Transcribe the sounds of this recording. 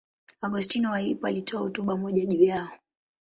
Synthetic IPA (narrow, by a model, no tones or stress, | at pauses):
aɡustinɔwaipɔalitʰɔahutuɓamɔʄaʄujaɔ